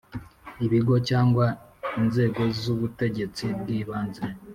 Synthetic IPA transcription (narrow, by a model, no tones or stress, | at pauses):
iβiɡo̞caːŋɡwainze̞ːɡo̞zuβute̞ɟe̞t͡sib̚ɡiːβaːnze